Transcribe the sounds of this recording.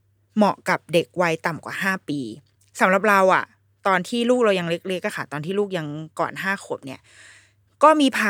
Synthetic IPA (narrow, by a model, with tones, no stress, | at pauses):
mɔ˨˩ʔka˨˩p̚de˨˩k̚wa˧jt̪a˨˩mkwa̰ː˨˩ɦaː˥˩piː˧ | sa˩˦mɾa˨˩p̚ɾa˧wʔa̰˨˩ | t̪ɔː˧nt̪ʰiː˥˩luː˥˩k̚ɾa˧wja˧ŋle˦˥k̚le˦˥k̚ːa˧˩xʰa˧˥˩t̪ɔː˧nt̪ʰiː˥˩luː˥˩k̚ja˧ŋkɔ̰ː˨˩nɦaː˥˩xʰo˨˩˦p̚ni˥˩ɐ | kɔː˥˩miː˧pʰaː˧